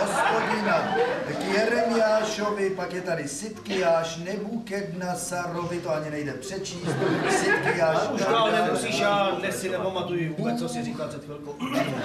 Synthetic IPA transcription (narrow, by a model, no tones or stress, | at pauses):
ɦospoɟɪnakɪjɛɾɛnɪjaːʃovɪpakjɛt̪adɪsɪt̪kɪjaːʃnɛbuːkɛdnasaɾovɪt̪oaɲɪnɛjdɛpr̝̥ɛt͡ʃiːst̪sɪt̪kɪjaːuʃaalnɛmusiːʃjaːdnɛsɪnɛpamat̪ujɪvuubɛt͡sːosɪɾiːkaːzɛt̪fvɛlkoɛo